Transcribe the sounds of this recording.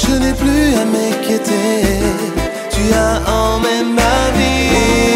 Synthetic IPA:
ʒənɛplyamɛkʲjet̪e | t̪yaɑ̃mɛmmavi

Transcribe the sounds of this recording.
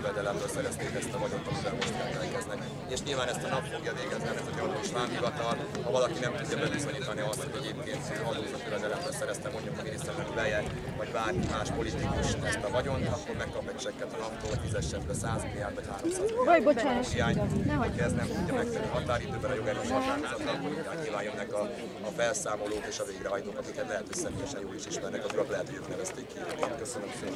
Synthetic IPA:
vɛd̪ɛlɛmbøsɛɾɛst̪eːkɛst̪ɒvɒɟo̞nt̪ːɒmivɛlmo̞ʃt̪kɛlkɛlkɛznɛk | eːʃɲilvaːnɛst̪ɒnɒpfo̞ɡjɒveːɡɛzniɛnɛzɒɲloʃʋaːmɦivɒt̪ɒl | hɒvɒlɒkinɛmt̪uɟːɒbɛvizo̞ɲiːt̪ɒniɒst̪ho̞ɟɛɟeːpkeːnt̪ɦɒnuzɒt̪øvɛd̪ɛlɛmbølsɛɾɛst̪ɛmo̞ɲɟukɒmineːst̪ɛt̪ɛkbɛjɛkvɒɟbaːɾimaːʃpo̞lit̪ikuʃɛst̪ɛvɒɟo̞nɒkːo̞rmɛkːɒpmɛcːt͡ʃɛkːɛt̪ɒnɒpt̪oːlt̪izɛʃɛt̪bɛsaːznijaːnvɒchaːɾomsaːboahiaːɲɔkɛzd̪nɛmt̪uɒmɛksɛyɦɒt̪aːɾid̪øːbɛnɒjo̞ɡɛɾøːɔkaːnaːɔt̪ɒoiaːkɲilvaːnjønːɛkɒː | fɛlsaːmo̞loːkeːʃɒveːɡɾɛɦɒjt̪oːkɒkikɛt̪lɛɦɛt̪ʰøcsɛmeːjɛʃɛnjoːiʃiʃmɛrnɛkɒzuɾɒklɛɦɛt̪hoɟøːk̪nɛvɛst̪eːkːionet̪køsønømse

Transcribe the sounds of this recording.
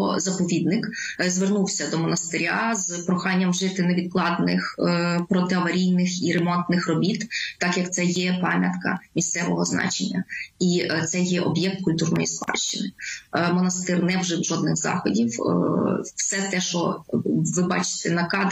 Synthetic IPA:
ɔzɐpɔʋʲid̪nɪk | zʋernuwsʲɐd̪ɔmɔnɐst̪ɪɾʲazpɾɔxɑnʲːɐmʒɪt̪ɪneʋʲid̪̚klˠɑd̪nɪ̰xpɾɔt̪ɪɐʋɐɾʲijnɪxiɾemɔnt̪nɪxrɔbʲit̪ːɑkjɐkt̪sɛjɛpɑmʲjɐt̪kɐ̰mʲist̪sɛʋɔɦɔznɑ̰t͡ʃenʲːɐ̰it̪sɛjɛʔɔbjɛk̚t̪̚kʊlʲt̪urnɔ̰jispɑ̰ʃt͡ʃɪnɪmɔnɐst̪ɪrnɛwʒɪwʒɔd̪̚nɪɣzɑ̰xɔdʲiw | wsɛt̪ɛʃɔʋɪbɑ̰t͡ʃɪ̥t̪ɛnɐkɑd̪

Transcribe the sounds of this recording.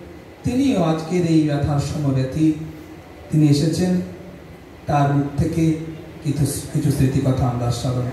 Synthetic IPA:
t̪inioad͡ʒkeɾejbat̪ʰaɾʃɔmɔɾjat̪ʰi | t̪inieʃet͡ɕʰen | t̪aɾmuk̪̚t̪ʰːeke | kikit͡ʃʰusɾit̪ikɔt̪ʰaand̪aɾsɔɾɔn

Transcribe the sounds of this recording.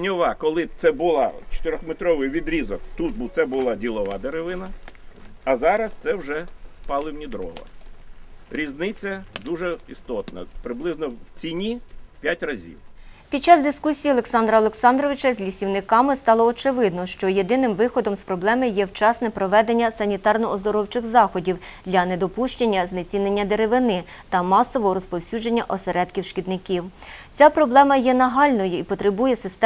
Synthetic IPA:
nʲɔʋɑkɔlˠɪbt̪sɛbʊlˠɑt͡ʃe̥t̪eɾʲɔxmet̪ɾɔʋɪjʋʲid̪ɾʲizɔkt̪ut̪̚bt̪sɛbʊlˠɑdʲilˠɔʋɑd̪eɾeʋɪnɐ | ɐzɑɾɐst̪sɛwʒɛpɑlˠɪwnʲid̪ɾɔ̰ʋɐ̰ | ɾʲiznɪt͡sʲːɐd̪uʒɛist̪ɔt̪nɐ̰pɾɪblˠɪznɔwt͡sʲinʲipʲjatʲrɐzʲḭwpʲid̥̪̚t͡ʃɑzd̪ɪskusʲijiɔlˠeksɑnd̪ɾɐɔlˠeksɑnd̪ɾɔʋɪt͡ʃɐzʲlʲisʲiwnɪkɑmɪst̪ɑlˠɔːt͡ʃɪʋɪd̪nɔʃt͡ʃɔjed̪ɪnɪmʋɪxɔd̪ɔmspɾɔblˠɛmɪjɛwt͡ʃɑsnɛpɾɔʋɛd̪e̞nʲːɐsɐnʲit̪ɑrnɔɔzd̪ɔɾɔwt͡ʃɪxzɑxɔdʲiw | d̪̥lʲɐnɛd̪ɔpuʃt͡ʃenʲːɐznet͡sʲinenʲːɐd̪eɾeʋɪnɪ | t̪ɐmɑsɔʋɔɦɔɾɔspɔwsʲud͡ʒenʲːɐʔɔseɾɛt̪kʲiwʃkʲid̪nɪkʲiwt͡sʲapɾɔblˠɛmɐjɛnɐɦɑlʲnɔjʊipɔt̪ɾebujɛsɪst̪ɛ

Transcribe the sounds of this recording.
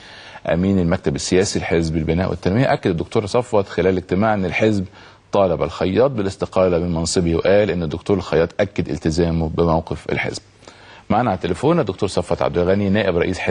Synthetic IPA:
ʔæ̰miːnɪlmæk̚t̪æbɪsːɪjæːsilħezbɪlbɪnæːʔwɪ̰t̪ːænmɪjæʔækːad̪ɪd̪ːʊkt̪oːɾsˤɑfːɑt̪xɪlæːllɪɡ̚t̪ɪmaːʕʔenːɪlħɪzb | t̪ˤɑːlɑbælxɑjːɑːt̪̚ˤbɪlɪst̪ɪqɑːlamɪnmɑnsˤɨbiwʔæːlʔɪnːɪd̪ːʊk̚t̪uːɾelxɑjɑːt̪ˤʔækːad̪ʔɪ̰lt̪ɪzæːmʊbɪmawqɪfɪ̰lħḛzb̚ | maʕnaʕt̪ːelefoːnæd̪ːʊk̚t̪uːɾsˤɑfːɑt̪ʕa̰d̪ːlɣæninæːʔɪbɾˤɑʔiːsħ

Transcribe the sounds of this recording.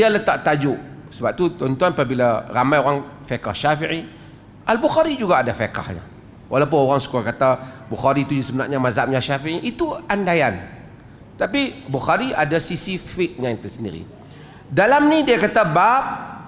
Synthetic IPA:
dialət̪aʔt̪ad͡ʒʊʔ | səbap̚t̪ut̪ɔnt̪uanapabilaramajoɣaŋfekahʃafiʕi | ʔalbuxaɾid͡ʒuɡaːdafeka̰hɲa̰ | wʔalap̬ʊnoɣaŋsə̥kuɾakat̪abuxaɾit̪ud͡ʒusəmənaʔɲamazam̚ɲaʃafiiʔit̪uandajan | t̪apibuxaɾiadasisifik̚ɲãt̪əsəndḭɾḭ | dalamnidiakat̪abap̚

